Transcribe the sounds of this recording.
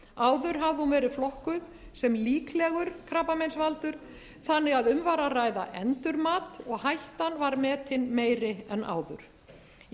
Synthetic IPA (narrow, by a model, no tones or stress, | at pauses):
aːwðʏɾ̥ɦavðɪhunvɛːɾɪflɔhkʏð | sɛmliːklɛɣʏɾkʰɾaːpamejnsvalt̪ʏɾ̥ | θanːɪɣaðʏmvaɾaraːjða̰ʔɛnt̪ʏɾmaːt̪ɔɣhajht̪anvaɾmɛːt̪ʰɪnmeːjɾɪɛna̰ːwðʏ̰ɾ̥